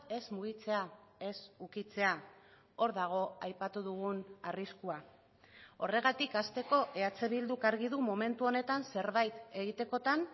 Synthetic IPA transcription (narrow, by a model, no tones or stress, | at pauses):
e̞zmuɣ̞it͡se̞ae̞sukit͡se̞a | o̞ɾðaɣ̞o̞ajpat̪uðuɣunariskua | o̞re̞ɣat̪ikast̪e̞ko̞ʔe̞at͡seβild̪ukaɾɣiðumo̞me̞nt̪uo̞ne̞t̪anse̞ɾβajt̪e̞ɣit̪e̞ko̞t̪an